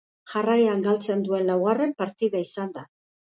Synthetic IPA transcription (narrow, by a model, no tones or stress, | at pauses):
ʝarajaŋɡalt͡se̞nd̪ue̞nlawɣare̞mpaɾt̪iðaisand̪a